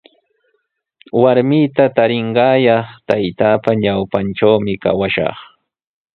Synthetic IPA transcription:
waɾmɪt̪at̪aɾɪɴɢɑːjɑχt̪ajt̪aːpaɲawpanʈ͡ʂawmɪka̰waʃɑ̰χ

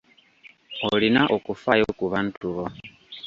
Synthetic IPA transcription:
olinaʔokufajokuβantuβo

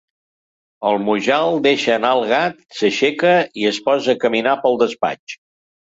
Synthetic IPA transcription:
əlˠmuʒalˠd̪eʃəːnalˠɣat̪səʃekəiəspɔzəkəminapəlˠd̪əspa̰t͡ʃ

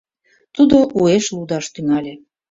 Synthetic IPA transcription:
t̪ud̪oʔueʃlud̪ɑʃt̪yŋɑlʲe

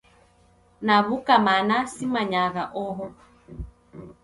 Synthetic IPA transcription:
naβukamanasimaɲaɣaʔɔɦɔ

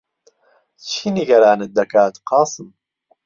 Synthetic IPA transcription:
t͡ʃʰiniɡɐɾaːnɨt̪̚d̪ɐkaːt̪qɑːsɨm

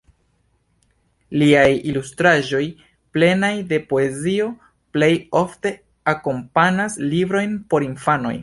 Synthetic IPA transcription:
liajilustɾaʒo̞j | ple̞najde̞po̞e̞zio̞ | ple̞jo̞fte̞ | ako̞mpanaslibɾo̞jnpo̞ɾinfano̞̰j

